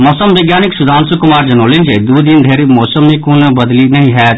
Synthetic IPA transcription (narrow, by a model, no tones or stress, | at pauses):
mɔːsəmʋeɡjaːnɪksʊd̪ʱaːnsʊkʊmaːɾd͡ʒɐnoːlɪnd͡ʒed̪uːd̪ind̪ʱeːɾimɔːsəmːẽkuːnbɐd̪linɐɦĩɦɛːt̪